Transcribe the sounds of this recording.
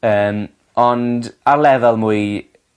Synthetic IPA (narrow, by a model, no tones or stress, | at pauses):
əːm | ɔndaɾlɛðalˠmuɨ